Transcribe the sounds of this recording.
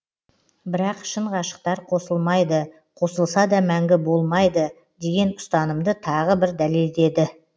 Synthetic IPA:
bɪɾɑqʃəɴʁɑʃə̥q̚t̪ɑɾqʰo̞səlˠmɑjd̪ə | qʰo̞səlˠsɑd̪ɑmæŋɡʲɪbo̞lˠmɑjd̪ə | d̪e̞ɡʲe̞nʊ̥st̪ɑnəmd̪ət̪ʰɑʁəbɪɾd̪æleld̪e̞d̪ɪ

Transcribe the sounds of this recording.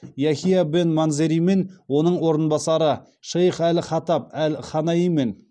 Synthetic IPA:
jɑxʲijɑbenmɑnzeɾijme̞nwo̞nəɴwo̞ɾənbɑsɑɾə | ʃejχælχɑt̪ɑp̚ælχɑnɑjijme̞n

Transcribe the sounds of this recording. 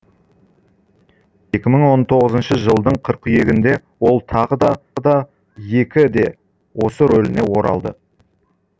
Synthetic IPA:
je̞kʲɪməɴwo̞nt̪ʰo̞ʁəzənʃəʒəlˠd̪əɴqʰəɾqʏje̞ɡʲɪnd̪e̞ | wo̞lˠt̪ʰɑʁəd̪ɑd̪ɑ | je̞kʲɪd̪e̞ | wo̞səɾɵlɪne̞wo̞ɾɑ̰lˠd̪ə̰

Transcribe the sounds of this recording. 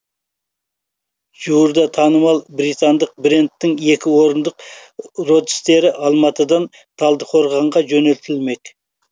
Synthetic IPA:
ʒ̥uwɾd̪ɑt̪ʰɑnəmɑlˠbɾijt̪ɑnd̪əq̚bɾʲe̞nt̪ːɪŋe̞kʲɪwo̞ɾənd̪əqro̞t̪ɪ̥st̪e̞ɾɪʔɑlˠmɑt̪əd̪ɑn | t̪ʰɑlˠd̪əqʰo̞ɾʁɑɴʁɑʒɵne̞lt̪ɪlme̞k

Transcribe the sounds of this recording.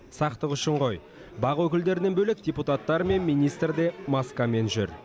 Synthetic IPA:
sɑqt̪əqʏʃɪɴqo̞j | bɑʁwɵkʲɪld̪e̞ɾɪnebɵlek̚dʲeput̪at̪ːɑɾme̞nmijnijst̪rd̪e̞maskame̞nʒʏ̰ɾ

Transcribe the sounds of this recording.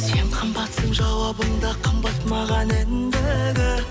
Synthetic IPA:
se̞ɴqʰəmbɑt̪səmʒɑwɑbəɴd̪ɑqʰəmbɑt̪mɑʁɑnet̪ɪnd̪ɪd̪ɪ

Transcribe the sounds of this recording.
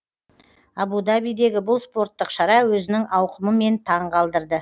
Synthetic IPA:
ɑbud̪abijd̪e̞ɡʲɪbʊlˠspo̞ɾt̪ːəqʃɑɾɑwɵzɪnɪŋʔɑwqəməme̞nt̪ʰɑɴqʰɑlˠd̪əɾd̪ə

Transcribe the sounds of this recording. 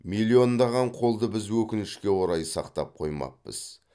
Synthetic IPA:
milʲˠːio̞nd̪ɑʁɑɴqʰo̞lˠd̪əbɪzwɵkʲɪnɪʃkʲe̞wo̞ɾɑjsɑqt̪ɑ̰p̚qʰo̞jmɑ̰q̚pə̰z̥

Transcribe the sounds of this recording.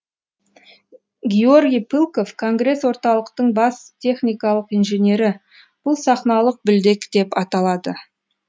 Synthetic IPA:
ɡʲeo̞rɡʲijpʰilˠko̞fkʰo̞ŋɡre̞swo̞ɾt̪ɑlˠəqt̪əɴbɑst̪ʲʰe̞χnʲijkɑlˠəqijnʒenʲe̞ɾɪ | b̥ʊlˠsɑχnɑlˠəq̚bɪld̪e̞kd̪̥e̞pɑt̪ɑlˠɑd̪ə

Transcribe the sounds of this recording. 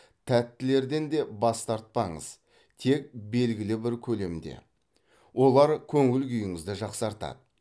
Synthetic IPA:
t̪ʰæt̪ːɪle̞ɾd̪e̞nd̪e̞bɑst̪ɑɾt̪̚pɑɴə̰z̥ | t̪ʰe̞k̚be̞lɡʲɪlɪbɪɾkʲʰɵle̞md̪e̞̰ | wo̞lˠɑɾkʲʰɵŋɪlkʲʏjɪŋɪzd̪ɪʒɑqsɑɾt̪ɑ̰d̪ə

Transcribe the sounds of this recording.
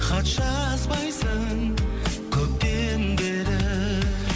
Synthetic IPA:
qʰɑt̪ʃɑzbɑjsəŋŋkʲʰɵp̚t̪enbe̞ɾɪ

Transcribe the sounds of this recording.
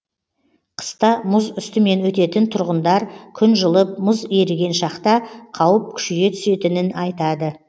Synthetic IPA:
qʰə̥st̪ɑmʊzʏst̪ɪme̞nwɵt̪e̞t̪ɪnt̪ʰʊɾʁənd̪ɑɾkʲʰʏnʒəlˠəp̚mʊzeɾɡʲe̞nʃɑqt̪ɑqʰɑwəp̚kʲʰʏ̥ʃɪɡʲe̞t̪ʰʏ̥se̞t̪ɪnɪnɑjt̪ɑd̪ə

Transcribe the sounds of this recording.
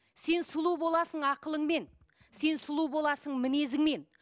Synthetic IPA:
se̞nsʊlˠubo̞lˠɑsəɴɑqəlˠəɴme̞n | se̞nsʊlˠubo̞lˠɑsəɴmɪne̞zɪŋme̞n

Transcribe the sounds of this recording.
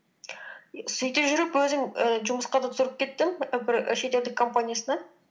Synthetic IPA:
sɵjt̪eʒʏɾɪpwɵzɪŋəʒʊməsqɑd̪ɑt̪ʰʊzɾəp̚kʲʰe̞t̪ːɪmbɪɾʃe̞t̪e̞ld̪ɪkʰo̞mpanʲijasənɑ

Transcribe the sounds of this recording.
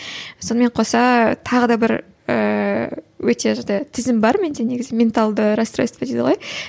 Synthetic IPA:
so̞nəme̞ɴqʰosɑt̪ʰɑʁəd̪ɑbɪɾ | ə̰ | wɵt̪e̞ʒɑɴd̪ɑjt̪ʰɪzɪmbɑɾmend̪ene̞ɡʲɪzɪmʲe̞nt̪alˠd̪əɾast̪ɾo̰st̪ped̪ed̪ɪəʁoj

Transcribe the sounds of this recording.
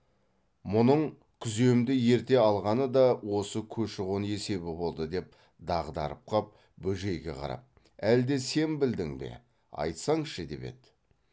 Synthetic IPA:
mʊnəɴ | kʲʰʏze̞wmd̪ɪje̞ɾt̪e̞ɑlˠʁɑnəd̪ɑwo̞səkʲʰɵʃɪʁonje̞se̞bɪbo̞lˠd̪əd̪e̞p̚ | d̪ɑʁd̪ɑ̰ɾəp̚qʰɑp̚ | bɵʒe̞jɡʲe̞̰qʰɑ̰ɾɑ̰p̚ | æld̪e̞se̞nbɪld̪ɪŋbe̞̰ | ɑ̰jt̪sɑɴʃəd̪e̞̰pe̞̰d̪ɪ

